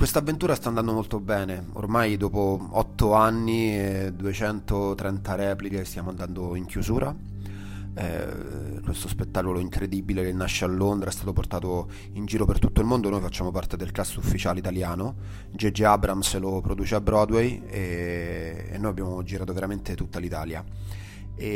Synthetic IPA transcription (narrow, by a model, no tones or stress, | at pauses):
kwest̪avːent̪uːɾast̪aːnd̪and̪omolt̪obɛːne | o̰rmajd̪ɔːpoɔt̪ːoanːied̪uet͡ʃɛnt̪ot̪ɾɛnt̪aɾɛːplikest̪jaːmoand̪and̪oiŋkjuzuːɾʔa | ɛ̰ | kwest̪ospet̪ːaːkoloiŋkɾed̪ibiledelnaʃːealːond̪ɾaɛst̪aːt̪oport̪aːt̪o | ind͡ʒiːɾopert̪ut̪ːoilmond̪onojfat͡ʃːaːmopart̪ed̪elklasːufːit͡ʃaːleit̪aljaːno | d͡ʒed͡ʒeabɾamselopɾod̪uːt͡ʃeabːɾɔd̪wejḛː | nːojabjaːmod͡ʒiɾaːt̪oveɾament̪et̪ut̪ːalit̪aːlja | e